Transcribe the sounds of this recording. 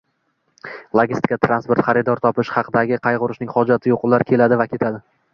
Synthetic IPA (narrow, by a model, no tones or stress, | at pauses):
lˠoɡʲist̪ɪ̥kʲat̪ʰɾanspe̞ɾt̪χɑɾɪd̪ɒɾt̪ʰɒpɪʃχɑqʰɨd̪aɡʲɪqʰɑjʁʊɾɪʃnɪŋχɒd͡ʒat̪ʰɪjoqlaɾkʲʰe̞lad̪ɪvakʲʰe̞t̪ʰad̪ɪ